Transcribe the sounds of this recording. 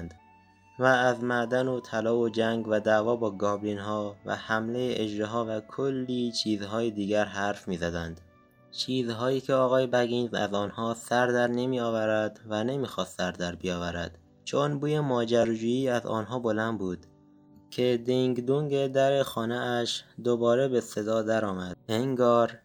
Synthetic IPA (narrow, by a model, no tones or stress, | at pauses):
nd̪ | væːzmæd̪ænot̪ʰælɒːod͡ʒæŋɡvæd̪ævɒːbɒːɡɒːblinɦɒːvæ̰hæmle̞jeʔed͡ʒɾeɦɒːvækʰolːiːt͡ʃʰiːzɦɒːjed̪iːɡæɾɦæɾfmiːzæd̪ænd̪̥ | t͡ʃʰiːzɦɒːjiːcʰeɒːɣɒːjebæɡinzæ̰zɒːnhɒːsæɾd̪æɾne̞miːɒːvæɾæd̪væne̞miːxɒːst̪ːæɾd̪æɾbijɒːvæɾæ̰d̪̥ | t͡ʃʰonbuːjemɒːd͡ʒæɾd͡ʒuːjiːæzɒ̰ːnɦɒːbo̞lænd̪buːd̪̥ | cʰe̞d̪iŋɡd̪uŋɡed̪æɾe̞xɒːneæʃd̪obɒːɾebe̞se̞d̪ɒːd̪æɾɒːmæd̪̚eŋɡɒːɾ